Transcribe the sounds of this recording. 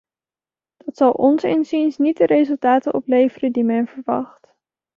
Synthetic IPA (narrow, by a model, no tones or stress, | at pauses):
d̥ɑtsɑlˠʔɔnsɪ̰nsinsnit̚dəɾejzɵlˠtaːtənɔplejvərədimɛnvəɹʋɑ̰χt